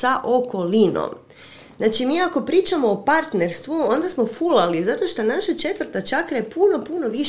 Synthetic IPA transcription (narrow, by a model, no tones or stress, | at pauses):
saʔo̞ko̞lino̰m | znaːt͡ʃimiːako̞pɾiːt͡ʃamo̞ːpaɾt̪ne̞ɾst̪ʋuo̞nd̪asmo̞fulalizat̪o̞ʃt̪onaʃat͡ʃe̞t̪ʋɾt̪at͡ʃakɾajepuno̞puno̞ʋiʃ